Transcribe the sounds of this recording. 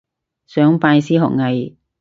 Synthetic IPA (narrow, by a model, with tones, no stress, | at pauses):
sœː˨˥ŋpaː˧jsiː˥ɦɔ̰ː˨˩k̚ŋɐ˨˧j